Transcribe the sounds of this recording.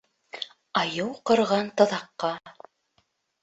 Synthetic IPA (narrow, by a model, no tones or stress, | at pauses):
ɑjɤwqɤ̆ɾʁɑnt̪ɤ̆ðɑqːɑ